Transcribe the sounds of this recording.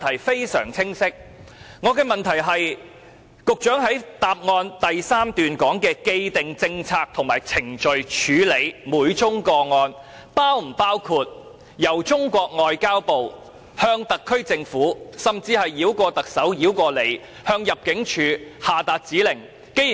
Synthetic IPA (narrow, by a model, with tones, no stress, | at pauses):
t̪ʰɐ˨˩jfe˥jsœ̰ː˨˩ŋt͡sʰɪ˥ŋsɪ˥k̚ŋɔː˨˧kɛː˧mɐ˨nt̪ʰɐ˨˩jɦɐ˨j | kʊ˨k̚t͡ʃœː˨˥ŋɦɐ˨˥jt̪aː˨p̚ŋɔː˧nt̪ɐ˨jsaː˥mt̪yː˨nkɔː˨˥ŋkɛː˧ke˧jt̪ɪ˨ŋt͡sɪ˧ŋt͡sʰaː˧k̚t̪ʰʊ˨˩ŋmaː˨˩jt͡sʰɪ˨˩ŋt͡ʃɵ˨ɥt͡ʃʰyː˨˧le˨˧jmuː˨˧jt͡ʃʊ˥ŋkɔː˧ŋɔː˧n | paː˥wm̩˨˩paː˥wkʰuː˧t̚ | jɐ˨˩wt͡sʊ˥ŋkʷɔː˧k̚ŋɔː˨jkaː˥wpo˨w | hœː˧ŋt̪ɐ˨kʰːɵ˥ɥt͡sɪ˧ŋfuː˨˥sɐ˨mt͡siː˧hɐ˨jːiː˨˥wkʷɔː˧t̪ɐ˨k̚sɐ˨˥wjiː˨˥wkʷɔː˧le˨˧j | hœː˧ŋjɐ˨p̚kɪ˨˥ŋt͡ʃʰyː˨˧haː˨t̪aː˧t̚t͡siː˨˥lɪ˨˩ŋ | ke˥j